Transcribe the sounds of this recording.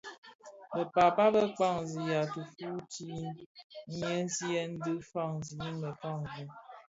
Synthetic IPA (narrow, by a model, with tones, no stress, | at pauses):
bə˨pa˨pa˦bə˦k͡pa˦˨ŋzi˨ja˨tu˨fu˦ti˦n˦jə˦si˦ɛ˦n̩˦dɨ˦fa˦˨ŋzi˨ji˦ŋbə˨ka˦˨ŋzi˦